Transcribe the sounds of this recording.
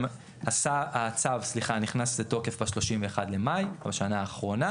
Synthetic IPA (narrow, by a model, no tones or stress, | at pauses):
m | asaat͡savsliχaniχnastleto̞ke̞fbaʃlo̞ʃimveːχad̪lemajbaʃanaːχʁo̞na